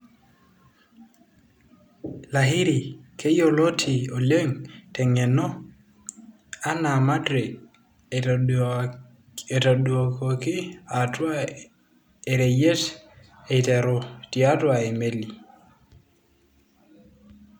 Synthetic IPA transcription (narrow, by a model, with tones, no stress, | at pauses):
la˨ɦi˦ɾi˨kʰe˦jo˨lo˦tʰi˨o˨le˦ŋtɛ˨ŋɛ˨nɔ˦ | a˦na˨ma˦dɾe˨ | e˨ta˨ɗo˨ko˨ki˦atwa | e˨ɾe˨je˦t | e˨te˨ɾɔ˨ti˨a˦twa˨e˨me˦li˨